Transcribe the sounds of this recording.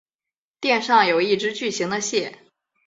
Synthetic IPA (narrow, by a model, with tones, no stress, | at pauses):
t̪jɛ˥˧nʂɑ˥˩ŋjo˨˩ʊi˥˩ʈ͡ʂɻ̩˧˥t͡ɕy˥˩ɕi˧˥ŋd̪ə˧ɕjɛ˥˩